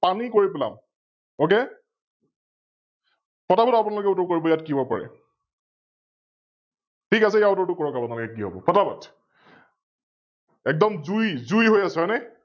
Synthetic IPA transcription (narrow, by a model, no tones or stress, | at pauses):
panikoɹipɛla̰m | oke | pʰɔtabɔtapunalʊkɛʊtɔkoɹibɔjatkibɔpa̰ɹɛ̰ | tʰikasɛjautɔɹtʊkɔɹɔkapunalɔkɛk̬iɦobɔ̰pʰɔtabɔt | ɛk̚dɔmzujzujɦojasanɛ